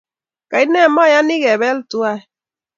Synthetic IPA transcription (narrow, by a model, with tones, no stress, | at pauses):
ka˨i˦nɛ˦˨˦ma˦˨ja˦ni˦ɣɛ˨βɛ˦ltu˦a˦˨